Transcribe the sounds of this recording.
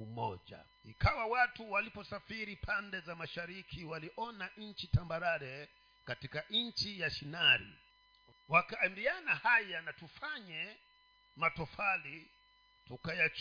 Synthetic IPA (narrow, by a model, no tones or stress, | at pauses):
umɔ̰d͡ʒa̰ | ikawawatuwalipɔsafiɾipʰandɛzamaʃaɾikʰiwaliʔɔnaʔɲ̩t͡ʃitambaɾaɾɛ | katikaɲ̩t͡ʃijaʃinaɾḭ | wakaːmbianahajanatufaɲɛ | matɔfali | tukajat͡ʃ